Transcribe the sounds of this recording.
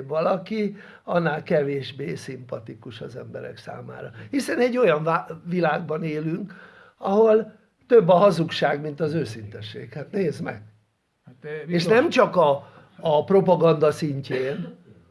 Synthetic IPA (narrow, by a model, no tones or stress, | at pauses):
bʋɒlɒki | ɒnːaːlkɛveːʒbeːsimpɒt̪ikuʃɒzɛmbɛ̰ɾɛ̰ksa̰ːma̰ːɾɒhisɛnɛɟːo̞jɒɱvavilaːɡ̚bɒneːlyŋk | ɒɦo̞l | t̪øbːɒɦɒzukʃaːɡmint̪ɒzøːsint̪ɛʃːḛːkhaːt̪neːzmɛ̰ɡ̥̚ | eːʃnɛmt͡ʃɒkɒː | pro̞pɒɡɒnd̪ɒsiɲceːn